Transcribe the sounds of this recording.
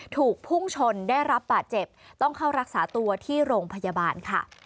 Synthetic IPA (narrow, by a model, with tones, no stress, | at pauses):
t̪ʰuː˨˩k̚pʰu˥˩ŋt͡ɕʰo˧nda˥˩jɾa˦˥p̚baː˨˩t̪̚t͡ɕe˨˩p̚t̪ɔ˥˩ŋkʰa˥˩wɾa˦˥k̚saː˩˦t̪u˧ɐt̪ʰiː˥˩ɾoː˧ŋpʰa˧ja˧baː˧nkʰa̰˥˩